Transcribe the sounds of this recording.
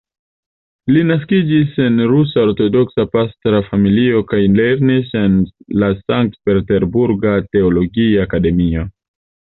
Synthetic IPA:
linaskid͡ʒise̞nɾusaoɾto̞do̞ksapastɾafamilio̞kajleɾnise̞nlasaŋk̚tpe̞ɾte̞ɾbuɾɡate̞olo̞ɡiaːkade̞mio

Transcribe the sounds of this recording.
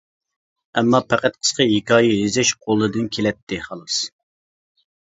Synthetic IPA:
ɛmːɑpʰæqæt̪̚qʰə̥sqʰəɦikʰɑːjiɦizɛʃqʰolˠːɨd̪ɨnkʲʰelɛt̪ʰːɪχɑlˠɨs

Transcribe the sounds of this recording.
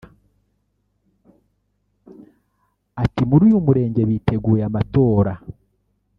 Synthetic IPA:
atimuɾujumuɾe̞ːɲɟe̞βitʰe̞ɡuːɾeamato̞ːɾa

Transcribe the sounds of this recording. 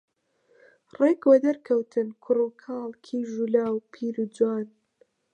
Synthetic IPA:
reːkwɐd̪ɐɾkʰɐwt̪ʰɨnkʰʊruːkʰɑːlˠkʰiːʒulaːwpʰiːɾud͡zwaːn

